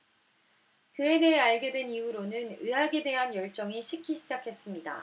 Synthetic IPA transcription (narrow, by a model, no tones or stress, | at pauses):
kɯe̞de̞ɦe̞aɭɡedwe̞niuɾonɯnɯɦaɡe̞de̞ɦanjʌɭt͡ɕ͈ʌŋiɕʰikʰːiɕʰid͡ʑakʰe̞s͈ɯmɲida̰